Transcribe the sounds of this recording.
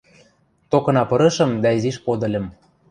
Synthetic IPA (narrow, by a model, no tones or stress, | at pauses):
t̪okɤ̆nɑpɤ̆ɾɤ̆ʃɤ̆md̪ɑiziʃpod̪ɤ̆lʲɤ̆m